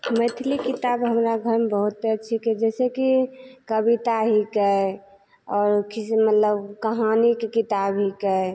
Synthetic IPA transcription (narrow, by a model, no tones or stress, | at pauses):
mət̪ʰilikit̪abɦəmɾaɡʱəɾmebəɦut̪̚peət͡ʃʰiked͡ʒɛːsekikəbit̪aɦikɛe | ɔːɾkismət̪ləbkəɦanikekit̪abɦikɛ